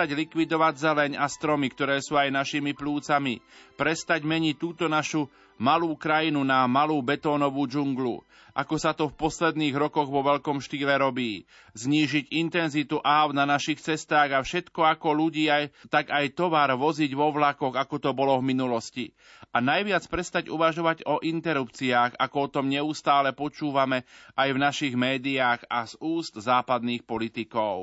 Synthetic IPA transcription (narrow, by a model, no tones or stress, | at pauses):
aɟlikʋid̪ɔʋaɟzɛlɛɲast̪ɾɔmikt̪ɔɾɛːsuːajnaʃiːmipluːt͡samipɾɛst̪aɟmɛɲic̚t̪ːuːt̪ɔnaʃu | maluːkɾajinunamaluːbɛt̪ɔːnɔʋuːd͡ʒuŋɡlṵ | ʔakɔsat̪ɔfpɔslɛd̪niːɣɾɔkɔɣʋɔʋɛʎkɔmʃt̪iːlɛɾɔbiː | zɲiːʒiɟint̪ɛnzit̪uʔaʊnanaʃixt͡sɛst̪aːɣafʃɛt̪kɔakɔluɟiːajt̪aɡajt̪ɔʋaːɾʋɔziɟʋɔʋlakɔɣakɔt̪ɔbɔlɔvminulɔsci | anajʋɪat͡spɾɛst̪aɟuʋaʒɔʋaɟɔʔint̪ɛɾupt͡siaːɣakɔɔt̪ɔmɲɛust̪aːlɛpɔt͡ʃuːʋamɛʔajvnaʃiɣmɛːd̪iaːɣaz̥uːst̪zaːpad̪niːxpɔlit̪ikɔʊ